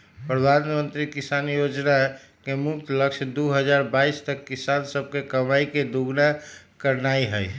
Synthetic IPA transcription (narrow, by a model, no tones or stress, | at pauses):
pɾəd̪ʱanmə̃nt̪ɾikisanjod͡ʒna | kemʊk̚t̪ləkʃd̪uɦəd͡ʒaɾbaist̪əkːisansəb̚kekəmaiked̪uɡna | kəɾnaiɦəj